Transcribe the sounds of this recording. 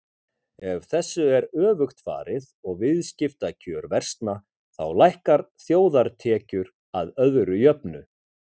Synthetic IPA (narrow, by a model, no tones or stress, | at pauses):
ɛvθɛsːʏɛɾœːvʏxt̪fa̰ːɾɪðɔɣvɪðscɪft̪acʰœːɾvɛr̥st̪na | θa̰wlajhkaɾθjoːwðaɾt̪ʰɛːcʏɾ | aðœðɾʏjœpnʏ